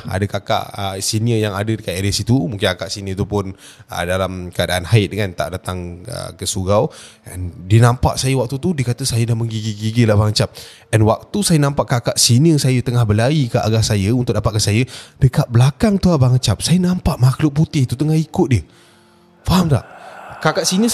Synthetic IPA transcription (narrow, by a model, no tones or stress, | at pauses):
a̰dəkaka̰ʔəsiniəjaŋadədəkaeɾəsit̪umuŋkɪnkakaʔsiniət̪̬upʊn | ə̰dalamkəadaʔanhaɪt̪̚dəŋant̪a̰ʔdat̪aŋə̰kəsuɡawə̰ndiənãmpa̰ʔsajəwak̚t̪ut̪udikat̪əsajədahməŋɡiɡiɡiɡilahbaŋat͡ʃap̚ | ənwak̚t̪usajənãmpaʔkakaʔsiniəsajət̪əŋahbəlaikəʔa̰ɡaʔsajəunt̪ʊk̚dapaʔ̪̚kasajəd̥əkat̪̚bəlakaŋt̪uabaŋat͡ʃap̚sajənampaʔmaklʊʔ̚put̪ɪht̪ut̪əŋahikʊt̪̚diə | faɦamla̰hkakaʔsiniə